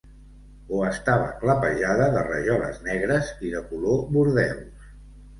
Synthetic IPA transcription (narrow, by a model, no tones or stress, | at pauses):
oəst̪aβə̰kləpəʒaðəðərə̰ʒɔlə̰znɛɣɾəziðəkuloβuɾðɛws